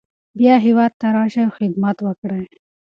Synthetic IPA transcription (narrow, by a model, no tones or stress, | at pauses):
bjɑɦɪwɑd̪̚t̪ːaɾɑʃawxɪd̪mat̪wəkɽaj